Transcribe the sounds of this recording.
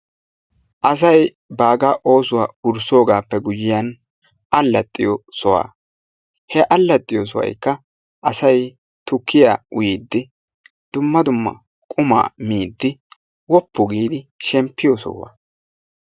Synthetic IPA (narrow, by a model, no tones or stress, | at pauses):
ʔɐs̬ɐj | baːɡɐʔo̞ːsʊwaːʊɾso̞ːɡaːpːɛɡʊjɪjɐn | ɐlːɐt̪ʼːɪjɔsɔwa̰ː | hɛʔɐlːɐt̪ʼːɪjos̬ɔ̰wɐ̰jkːɐ | ʔɐsɐj | t̪ʊkʰːɪjaːʊjid̪ːɪ | d̪̥ʊmːɐd̪ʊmːɐ̰ | kʼʊma̰ːmiːd̪ːɪ | wɔpːʊɡiːd̪ɪʃɛmpːɪjosɔ̰wɐ̰